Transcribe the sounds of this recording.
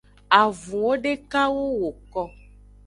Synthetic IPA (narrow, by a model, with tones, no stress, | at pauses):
a˨vũ˨wo˦ɖe˦ka˦wo˦wo˨kɔ˦